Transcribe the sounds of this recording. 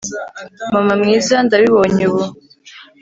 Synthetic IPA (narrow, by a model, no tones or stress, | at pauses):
mamamŋiːzandaβiβoɲeβo